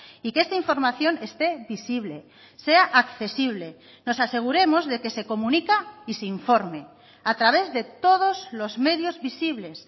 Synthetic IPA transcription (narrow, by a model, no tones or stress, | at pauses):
ikest̪aiɱfo̞ɾmaθjo̞ne̞st̪e̞βisiβ̞le̞ | seaʔakθe̞siβ̞le̞ | no̞sase̞ɣ̞uɾe̞mozðe̞ke̞se̞ko̞mũnikaiseiɱfo̞ɾme | at̪ɾaβ̞e̞zðe̞t̪o̞ð̞ozlo̞zme̞ðjozβisiβle̞s